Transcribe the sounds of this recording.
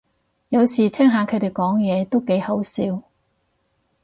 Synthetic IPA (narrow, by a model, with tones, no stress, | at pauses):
jɐ˨˧wsiː˨˩t̪ʰɛː˥ŋɦaː˨˧kʰɵ˨˧jt̪e˨˩jkɔː˨˥ŋjɛː˨˧t̪o˥wke˨˥jhɐ˨˥wsiː˧w